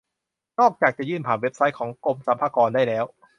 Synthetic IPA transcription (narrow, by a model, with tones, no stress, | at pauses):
nɔː˥˩k̚t͡ɕaː˨˩k̚t͡ɕa˨˩jɯː˥˩npʰaː˨˩nwe˦˥p̚sa˧˦˥jkʰɔː˩˦ŋko˧msa˨˩˦mpʰaː˧kɔː˧ndaː˥˩jlɛː˦˥w